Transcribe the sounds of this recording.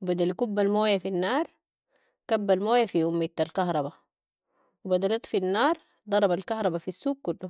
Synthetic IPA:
bad̪alikubːalmoːjafinːɑːɾˤ | kabːalmoːjafiʔumːit̪ːalkɑhɾˤɑba | wibad̪alit̪ˤfinːɑːɾˤ | d̪ˤɑɾˤɑbalkɑhɾˤɑbafisːuːb̚kulːu

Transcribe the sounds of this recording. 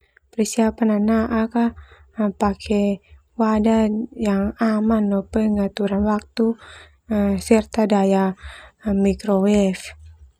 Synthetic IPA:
pɾisiapananaʔaka | pakʰɛ | wadajaŋamanːopəŋat̪uɾanwak̚t̪u | əsərt̪adaja | mikɾowɛf

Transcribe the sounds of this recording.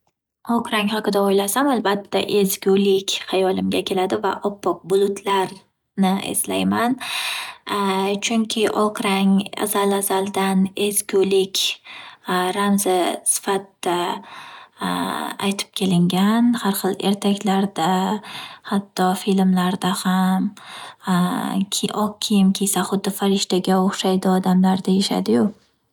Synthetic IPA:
ɒqɾaŋhaqɨd̪aojlasamalbat̪ʰːa̰ʔezɡʲʊlɪkʲhajɒlɪmɡʲakʲʰe̞lad̪ɪva̰ʔɒpʰːɒq̚bʊlˠʊt̪ʰlaɾ | nɪḛslajman | t͡ʃʰʊŋkʲʰɪʔɒqɾaŋa̰zalazalˠd̪ane̞zɡʲulɪkʲ | ɾamzasɪ̥fat̪d̪a | a̰jt̪ʰɪ̥p̚kʲʰe̞lɪŋɡʲanhaɾχɨlˠe̞ɾt̪ʰakʲlaɾd̪a | hat̪ʰːɒfilmlaɾd̪aham | ʔɒq̚kʲʰːijɪmkʲʰejsaχʊd̪ːɪfaɾɪʃt̪aɡʲaoχʃajd̪ɪɒd̪amlaɾd̪ajeʃa̰d̪ɪjʊ

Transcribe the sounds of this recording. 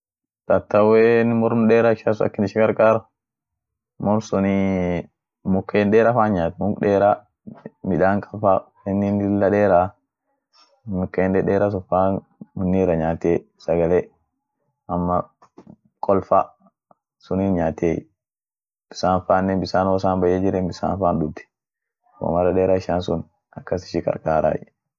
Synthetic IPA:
tat̪ːawɛnimɔɾmɗɛɾaʃasua̰kːiniʃikaɾkaɾ | mɔɾsɔni | mukːaɛnɗɛɾafanɲatmukɗɛɾa | miɗaŋkʰafawɛninilːaɗɛɾa | mukːaɛnɗɛɗɛːɾas̬ɔfan | munːiɾaɲate | saɡalɛ | amːa | kʰʼɔlfa | suninɲaːt̪e | b̥i̥sanfanːɛbisanɔsambajɛd͡ʒiɾɛmbisa̰nfanɗudɛ̥ | kɔ̰maɾaɗɛɾaʃansun | akːasi̥ʃika̰ɾkaːɾa̰ji

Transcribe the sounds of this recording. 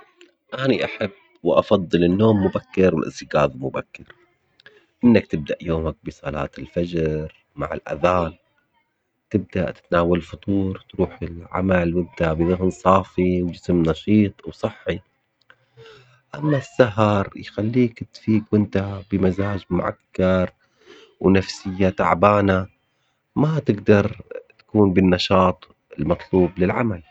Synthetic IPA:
ʔaːniʔaħabːwʔɑfɑðˤːɨlɪnːoːmːʊbakːɪɾwɪ̰lʔɪ̰sɪɡaːðˤlmʊbakːɪɾ | ʔɪnːakt̪ɪb̚d̪aʔjoːmak̚bɨsˤɑlɑ̰ːt̪ɪlfad͡ʒɾ | ma̰ʕɪ̰lʔa̰ðaːn | t̪ɪb̚d̪a̰ʔt̪ɪ̥t̪naːwalfʊt̪ˤuːɾˤt̪ɾuːħɪlʕa̰malwɪnt̪abɪðʊɦnsˤɑːfiwd͡ʒɪsmnɑʃiːt̪ˤwsˤɑħːi | ʔamːasːaɦɑɾˤjxalːiːkɪt̪fiːkwʔɪnt̪abɪmazaːd͡ʒmʊ̰ʕa̰kːɑɾˤ | wnafsɪjːat̪a̰ʕbaːna | mat̪ɪɡd̪ɑɾˤt̪ḁkuːnbɪnːɑʃɑːt̪ˤ | ɪlmɑt̪ˤluːblɪlʕamal

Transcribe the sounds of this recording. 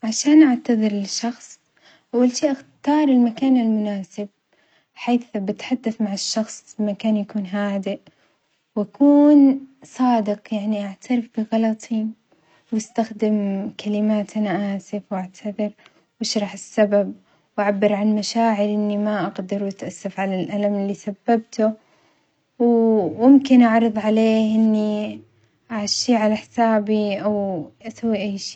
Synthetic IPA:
ʕaʃaːnʔaʕt̪aðˤɨɾlɪʃːɑxsˤ | ʔawːalʃiːʔaxt̪ɑːɾˤɪlmakaːnalmʊnaːsɪb̚ | ħaːθbɪt̪ħad̪ːaθmaʕɪʃːɑxsˤbmakaːnjakuːnɦaːd̪ɪʔ | wʔakuːnsˤɑːd̪ɪqjaʕniʔaʕt̪ʰaɾɪfbɪɣɑlɑt̪ˤʰi | wɪst̪axd̪ɪmkʰalɪmaːt̪ʔanaʔaːsɪfwʔaʕt̪ʰaðɪɾ | wʔaʃɾˤɑħɪsːabab̚ | wʔaʕabːɪɾʕanmaʃaːʕɪɾʔɪnːimaʔaɡd̪ɪɾwʔat̪ʔasːafʕalalʔalamɪlːisabːab̚t̪ʊ | wːʊmkɪnʔɑʕɾɨðˤʕaleːhʔɪnːi | ʔaʕaʃːiːʕalaħɪ̥saːbiʔawʔasawːiʔajːʃi̥ː

